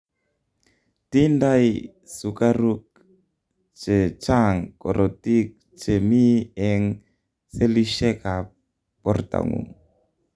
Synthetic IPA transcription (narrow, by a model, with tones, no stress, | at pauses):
ti˦nda˦j | su˨ka˦ɾu˦k̚ | t͡ʃe˨t͡ʃa˦ŋkɔ˨ɾɔ˨ti˦k̚ | t͡ʃe˨mi˦ɛ˦ŋ | se˦li˦ʃɛ˦ka˨ | pɔ˦rta̰˨ŋṵ˨ŋ